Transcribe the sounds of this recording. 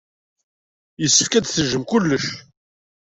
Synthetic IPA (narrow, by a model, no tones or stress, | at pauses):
jəsːəfkæd̪θəʒːəmkʊlːəʃ